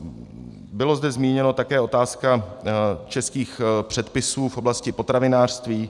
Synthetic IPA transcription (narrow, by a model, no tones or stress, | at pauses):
bɪlo̞zd̪ɛzmiːɲɛno̞t̪akɛːo̞t̪aːska | t͡ʃɛskiːxpr̝̥ɛt̪pɪsuːfʔo̞blascɪpo̞t̪ɾavɪnaːr̥st̪viː